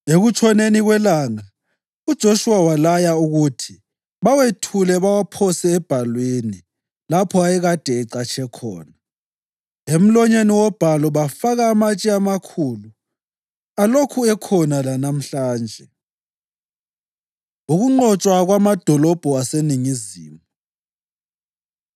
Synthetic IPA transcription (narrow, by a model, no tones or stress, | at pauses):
eɣut͡ʃʰɔneniɣwɛlaŋa | ud̥ʒ̥ʱoʃuwawalajauɣutʰi | βawetʰulɛβawapʰɔsɛːb̥ʱalweni | lapʰɔajɛɣad̥ʱɛɛǀat͡ʃʰɛkʰɔ̰ːna | em̩lɔɲeniwɔb̥ʱalɔβafaɣaːmat͡ʃʼiamakʰuːlu | alokʰuɛkʰɔnalanam̩ɬaːnd͡ʒʱɛ | uɣuŋ͡ǃɔt͡ʃʼwaɣwamad̥ʱɔlɔb̥ʱɔaseniŋizḭːmu